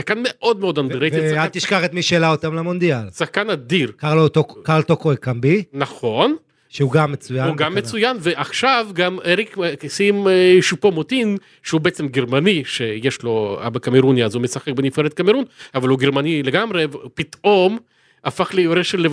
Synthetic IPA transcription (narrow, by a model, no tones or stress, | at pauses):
sakanmeʔo̞d̪meo̞d̪and̪ʁevalt̪ːiʃkaχet̪miʃeːlaot̪amlemond̪ialsaχkanad̪iʁkaʁlot̪okkaʁlt̪okoekambinaχo̞n | ʃeuɡamːet͡sujanuɡamːet͡sujanveʔaχʃavɡameʁikksimʃupomot̪in | ʃeubeet͡semɡeʁmaniʃejeʃlo̞a̰bakameʁuniazumesaχek̚benifeɾet̪̚kameɾunavaluɡeʁmanileɡamʁevpit̪ʔo̞m | afaχlejoɾeʃele